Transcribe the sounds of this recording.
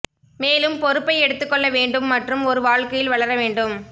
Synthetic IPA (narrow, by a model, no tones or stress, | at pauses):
meːlɯmpɔɾɯpːɐɪɛɽɯt̪ːɯkːɔɭːɐʋeːɳɖɯmːɐʈrɯmɔɾɯʋaːɻkɐjɪlʋɐɭɐɾɐʋeːɳɖɯm